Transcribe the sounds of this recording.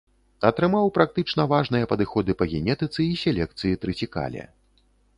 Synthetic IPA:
ɐt̪ɾɨmawpɾak̚t̪ɨt͡ʂn̪ɐvaʐnɨjɐpɐd̪ɨxɔd̪ɨpɐɣʲɛnʲɛt̪ɨt̪sɨisʲɛlʲɛkt̪sɨjit̪ɾɨt͡sʲika̰lʲɛ̰

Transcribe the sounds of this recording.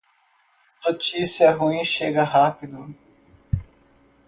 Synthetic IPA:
not͡ʃisiɐɦuĩʃeɡɐɦapid̪ʊ

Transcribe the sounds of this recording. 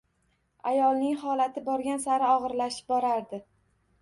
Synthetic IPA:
a̰jɒlˠnɪŋhɒlat̪ʰɪbɒɾɡʲansaɾɪɒʁɨɾlaʃɪ̥p̚bɒɾaɾd̪ɪ

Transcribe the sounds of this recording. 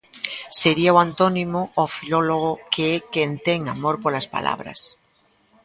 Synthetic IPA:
seɾiawant̪onimoofiloloɣokʰeekent̪eŋamoɾpoɾlaspa̰lʔa̰β̞ɾa̰s

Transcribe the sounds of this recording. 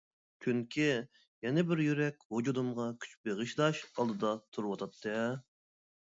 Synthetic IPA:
kʲʰyŋkʲʰi | jɛnɪbɪɾjyɾɛkʲhud͡ʒud̪ɨmʁɑkʲʰy̥t͡ʃbeʁɨʃlˠɑʃɑlˠd̪ɨd̪ɑt̪ʰuɾwɑt̪ʰɑt̪ʰːɨ

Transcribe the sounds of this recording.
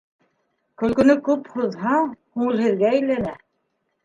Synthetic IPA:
kɵ̆lkɵ̆nɵkʉphuðhɑhuɘ̆lhɘ̆ðɡæːjlːænæ

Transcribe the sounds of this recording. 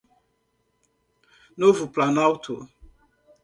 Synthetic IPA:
novuplanawtʰo

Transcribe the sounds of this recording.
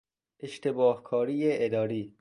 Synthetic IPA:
ʔeʃt̪ebɒːhkʰɒːɾiːjeʔed̪ɒːɾiː

